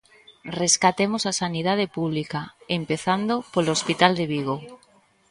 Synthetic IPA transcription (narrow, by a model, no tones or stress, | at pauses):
reskat̪emosasanið̞að̞epuβlikaempeθand̪opolospit̪ald̪eβ̞iɣ̞o